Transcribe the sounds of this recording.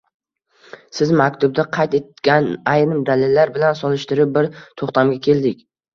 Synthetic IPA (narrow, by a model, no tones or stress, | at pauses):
sɪzmakʲt̪ʰʊb̚d̪aqʰɑjt̪e̞t̪kʲanajɾɪmd̪alɪlːaɾbɪlansɒlˠɪʃt̪ɪɾɪp̚bɪɾt̪ʰoχt̪ʰamɡʲakʲʰe̞ld̪ɪkʲ